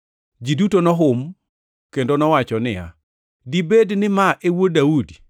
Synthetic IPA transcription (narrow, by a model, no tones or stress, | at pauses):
d͡ʒidutonɔɦʊm | kendonɔwat͡ʃɔnɪja̰ | dibednɪmaʔewodaudi